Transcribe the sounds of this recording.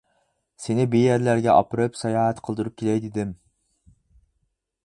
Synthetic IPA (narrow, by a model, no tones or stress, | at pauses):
senɪbijæɾlæɾɡʲɛʔɑ̰pɨɾɨpsɑjɑːɦæt̪qʰəlˠd̪ɨɾup̚kʲʰelɛjd̪ɪd̪ɪm